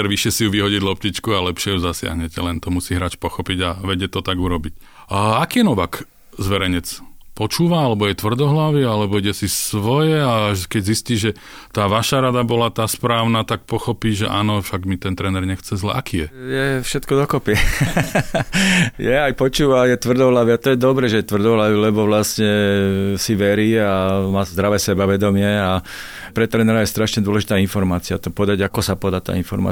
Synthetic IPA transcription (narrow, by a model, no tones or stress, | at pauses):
ɛɾʋiʃɪɛsijuʋiɦɔɟiɟlɔp̚cit͡ʃkualɛpʃɪɛjuzasɪa̰ɦɲɛcɛ̰lɛnt̪ɔmusiːɦɾaːt͡ʃpɔxɔpiɟaʋɛɟɛt̪ɔt̪aɡuɾɔbic | akiːjɛnɔʋak | zʋɛɾɛɲɛt͡spɔt͡ʃuːʋaalɛbɔjɛt̪ʋr̩d̪ɔɦlaʋialɛbɔiɟɛsisʋɔjɛaʒkɛɟzisciːʒɛ | t̪aːʋaʃaɾad̪abɔlat̪aːspɾaːʊnat̪ak̚pɔxɔpiːʒɛ̰ʔa̰ːnɔfʃaɡmit̪ɛnt̪ɾɛnɛɾɲɛxt͡sɛzlɛ̰ʔakiːjɛjɛfʃɛt̪kɔd̪ɔkɔpiɛ | jɛajpɔt͡ʃuːʋajɛt̪ʋr̩d̪ɔlaʋiat̪ɔjɛd̪ɔbɾɛʒɛjɛt̪ʋr̩d̪ɔlaʋilɛbɔʋlasɲɛsiʋɛɾiːamaːzd̪ɾaʋɛsɛbaʋɛd̪ɔmɪɛa | pɾɛt̪ɾɛnɛɾajɛst̪ɾaʃɲɛd̪ʊɔlɛʒit̪aːinfɔɾmaːt͡siat̪ɔpɔd̪aɟakɔsapɔd̪at̪a̰ːinfɔ̰ɾma̰